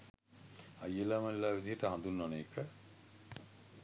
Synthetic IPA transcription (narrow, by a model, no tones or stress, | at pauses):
ajːəlaməlelaːʋid̪iɦəʈəɦãnd̪unːɔneːkʰə